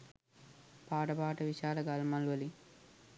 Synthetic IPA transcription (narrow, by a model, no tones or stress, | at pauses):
paːʈɐpaːʈɐʋiʃaːɾɐɡɐlmɐlʋɐli